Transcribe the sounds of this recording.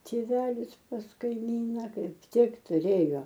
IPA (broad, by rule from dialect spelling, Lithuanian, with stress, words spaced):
tʲeːˈʋʲæːlʲɪs pɐs kɐɪˈmʲiːnɐ ˈkɐɪp ˈtʲɪk tʊˈrʲeːjoː